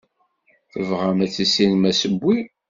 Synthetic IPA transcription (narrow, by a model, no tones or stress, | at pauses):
θəvʁamæt͡sːəsinmæsəbʷːi